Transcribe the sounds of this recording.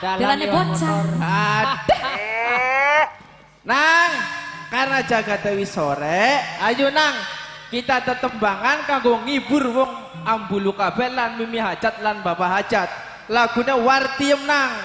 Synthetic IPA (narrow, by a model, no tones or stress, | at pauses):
dalalanot͡ʃaad | naŋkarnad͡ʒaɡ̥a̤t̪ewisoɾɛajunaŋ | kit̪at̪ət̪əmbaŋankaŋɡoŋibʊrwɔŋ | ambulukabɛʔlanmimiɦḁd͡ʒ̥at̪̚lanbapaɦḁd͡ʒat̪̚ | laɡ̥ṳnewart̪iəmnaŋ